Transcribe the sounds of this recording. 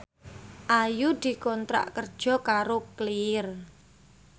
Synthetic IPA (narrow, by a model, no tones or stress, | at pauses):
ʔajud̪̥i̤kɔnt̪ɾa̰ʔkərd̥ʒ̥ɔ̤kaɾokliɪr